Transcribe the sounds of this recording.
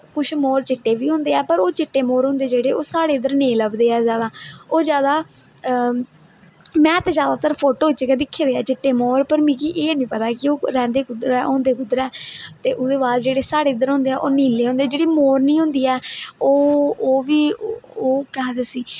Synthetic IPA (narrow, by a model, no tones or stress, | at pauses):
kʊʃʰmoːɾt͡ʃɪʈːeːʋiːɦʊ̃ːnd̪eːɛːpəɾoːt͡ʃɪʈːeːmoːɾɦʊ̃ːnd̪eːd͡ʒeːɽeːoːsaːɽeːɪd̪əɾneːləbd̪eːɛːzjaːd̪aːoːzjaːd̪aː | mɛ̃ːt̪eːzjaːd̪aːt̪əɾpʰoːʈoːt͡ʃəkɛːd̪ɪkʰːeːd̪eːɛːt͡ʃɪʈːeːmoːɾpəɾmĩːkiːʔeːnĩːpət̪aːkɪoːɾɛ̃ːnd̪eːkʊd̪ɾɛːõːnd̪eːkʊd̪ɾɛːt̪eːʔʊd̪eːbaːd̪d͡ʒeːɽeːsaːɽeːɪd̪əɾɦõːnd̪eːɛːʔoːniːleːɦõnd̪eːd͡ʒeːɽiːmoːɾnĩːɦʊ̃nd̪iːɛːoːoːʋiːoːkɛɦd̪esiː